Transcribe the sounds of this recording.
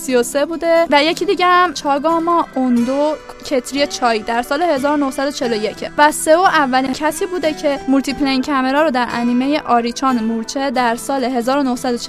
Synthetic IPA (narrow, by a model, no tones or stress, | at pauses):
sijose̞buːd̪e̞væje̞cʰiːd̪iɟeæmt͡ʃʰɒːɡɒːmɒːʔond̪o | cʰe̞t̪ʰɾijet͡ʃʰɒːjiːd̪æɾsɒːle̞he̞zɒːɾono̞hsæd̪ot͡ʃʰe̞lo̞je̞cʰevæse̞oʔævːælincʰæsiːbuːd̪ecʰe̞mult̪ʰipʰleincʰæme̞ɾɒːɾod̪æɾʔæ̰niːme̞jeʔɒːɾit͡ʃʰɒːnmuɾt͡ʃʰed̪æɾsɒːleɦe̞zɒːɾono̞hsæd̪ot͡ʃʰ